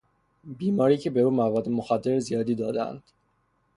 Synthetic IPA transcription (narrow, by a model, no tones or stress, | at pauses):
biːmɒːɾiːcʰebe̞ɾuːmævɒːd̪ːemoxæd̪ːe̞ɾzijɒːd̪iːd̪ɒːd̪æ̰nd̪̥